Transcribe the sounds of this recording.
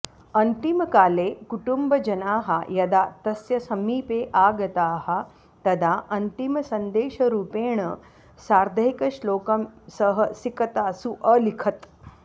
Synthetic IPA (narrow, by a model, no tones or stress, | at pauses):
ɐnt̪imɐkaːleːkuʈumbɐd͡ʒɐnaːɦɐjɐd̪aːt̪ɐsjɐsɐmiːpeːʔaːɡɐt̪aːɦɐ | t̪ɐd̪ʱaːʔɐnt̪imɐsɐnd̪eːʃɐɾuːpeːɳɐ | saːɾd̪ʱɐɦikɐʃloːkɐmsɐɦɐsikɐt̪aːsuʔɐlikʰɐt̪